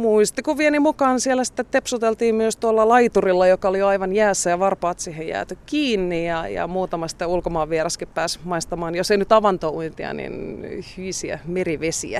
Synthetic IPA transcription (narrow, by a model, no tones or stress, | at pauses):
muist̪ikuʋʋienimukɑːnsielːæsi̥t̪ːet̪epsut̪elt̪iːmmyøst̪uolːɑlɑit̪urilːɑjokɑolijoɑiʋɑnjæːsːæjɑʋɑrpɑːt̪siːhejæ̰ːt̪ykkiːnːijɑjɑ̰muːt̪ɑmɑsi̥t̪ːeulkomɑːʋʋːierɑskippæːsmɑist̪ɑmɑːnjoseinyt̪ɑʋɑnt̪ouint̪iɑ̰nḭnhyisiæ̰meriʋesḭæ